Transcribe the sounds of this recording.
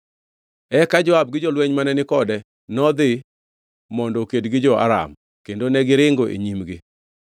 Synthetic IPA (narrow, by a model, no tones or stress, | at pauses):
ɛkad͡ʒɔab̚ɡɪd͡ʒolwɛɲmanɛnɪkɔdɛ | nɔd̪ɪ | mɔndɔkedɡɪd͡ʒɔa̰ɾa̰m | kendonɛɡɪɾɪŋɡoʔḛɲimɡɪ